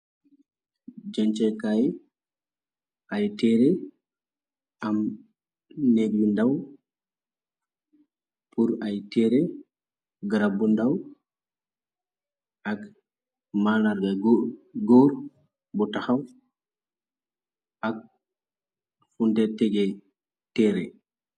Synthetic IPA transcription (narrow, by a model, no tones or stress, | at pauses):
d͡ʒant͡ʃɛkajɛ | ʔajtɛɾɛ | am | nebundaw | puɾajtɛɾɛ | ɡɾabundaw | ʔak | malaɾɡaɡoɾ | bɔtaxaw | ʔak̚ | fundɛtɛɡɛ | tɛɾɛ